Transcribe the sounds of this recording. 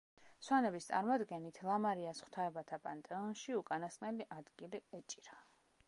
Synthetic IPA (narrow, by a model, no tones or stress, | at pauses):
swanɛbist̪sʼa̰ɾmɔd̪ɡɛnit̪ʰlˠamaɾiasχwt̪ʰaɛbat̪ʰapʼant̪ʼɛɔnʃiukʼanasqʼnɛliʔad̪ɡiliɛt͡ʃʼiɾa